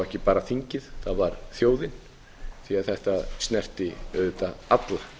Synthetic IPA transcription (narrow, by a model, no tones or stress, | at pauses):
ɛhcɪpaːɾaθiɲcɪðθaðvaɾθjoːwðɪn | θiaðθɛht̪ast̪nɛr̥t̪ɪɛðʏt̪aat̪la